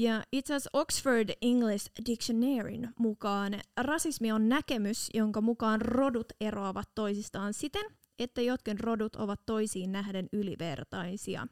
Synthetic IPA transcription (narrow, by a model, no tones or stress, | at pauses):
jɑit̪sæso̞ksfordiŋɡlisdikʃoneːɹḭnmukɑːnrɑsismio̞nːæke̞mysjo̞ŋkɑmukɑːnro̞dut̪e̞roɑʋɑt̪ːo̞jsist̪ɑːnsit̪e̞n | e̞t̪ːæjo̞t̪kinro̞dut̪o̞̰ʋɑt̪ːo̞jsiːnːæɦde̞nyliʋe̞rt̪ɑjsiɑ̰